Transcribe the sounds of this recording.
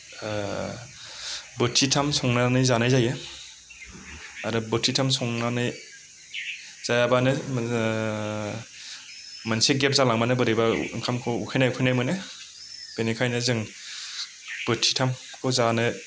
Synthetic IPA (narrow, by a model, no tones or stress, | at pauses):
bɯtʰitʰamsɔŋnanɯjzanajzaje | aɾɯbɯtʰitʰamsɔŋnanɯj | z̥ajabanɯ | manseɡep̚zalaŋmanɯbɯɾɯba̰ŋkʰamkʰɔukʰɯjnajukʰɯjnajmɯnɯ | b̥enikʰajnɯzɯŋ | b̥ɯtʰitʰam | kʰɔzanɯ